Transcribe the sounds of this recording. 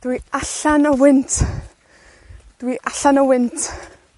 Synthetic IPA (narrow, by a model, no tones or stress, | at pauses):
d̥wiaɬanəwɪntʰ | d̥wiʔaɬanəwɪntʰ